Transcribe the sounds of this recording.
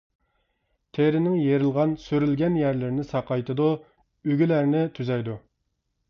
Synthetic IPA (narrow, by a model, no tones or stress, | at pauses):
t̪ʰeɾɪnɪŋjeɾɪlˠʁɑnsøɾylɡʲɛnjæɾlɪɾnɪsɑqʰɑjt̪ʰɨd̪u | yɡʲylæɾnɪt̪ʰyzɛjd̪u